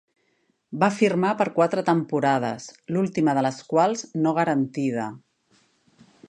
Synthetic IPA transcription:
bafirmapəɾkwat̪ɾət̪əmpuɾað̞ə̰slulˠt̪iməðələskwalˠznoɣ̞əɾənt̪ið̞ə

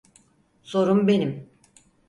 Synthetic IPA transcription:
so̞ɾumbe̞nim

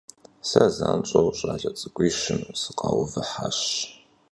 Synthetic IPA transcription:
sɐzaːnt͡ʃʼɐwɕʼaːɮʼɐt͡sʼɨkʷʼiːʃɨmsɨqʼɑwʊvɨħaɕ

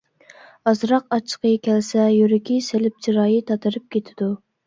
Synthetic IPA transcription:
ɑzɾɑqɑt͡ʃʰːə̥qʰəkʲʰɛlsɛjyɾɪkʲʰiselɪp̚t͡ʃʰiɾɑːjit̪ʰɑt̪ʰɨɾɨp̚kʲʰet̪ʰɪ̥d̪u

